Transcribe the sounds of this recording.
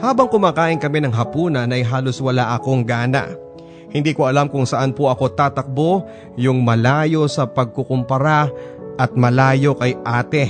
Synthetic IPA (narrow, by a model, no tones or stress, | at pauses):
haːbɐŋkʊmaːkaːʔɪnkɐmɛnɐŋɦɐpuːnɐnɐjɦaːlo̞swɐlaʔɐko̞ŋɡaːnɐ̰ʔ | hɪnd̪iːkoɐlamkʊŋsɐʔanpoʔɐkot̪aːt̪ɐk̚bo̞ | jʊŋmɐlaːjo̞sɐpɐɡ̚kokʊmpɐɾaʔɐt̪̚mɐlaːjo̞kɐjʔaːt̪ɛ